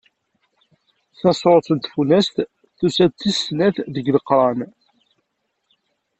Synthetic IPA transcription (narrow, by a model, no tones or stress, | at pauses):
θɑsˤɾˤoθənt̪funæst̪ | θusæt͡s̪ːisnæθðəɡləqːɾˤɑn